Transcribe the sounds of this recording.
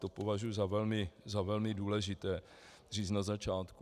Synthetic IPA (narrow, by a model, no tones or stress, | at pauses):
t̪opovaʒujuzavɛlmɪzavɛlmɪduːlɛʒɪt̪ɛː | riːt͡snazat͡ʃaːt̪ku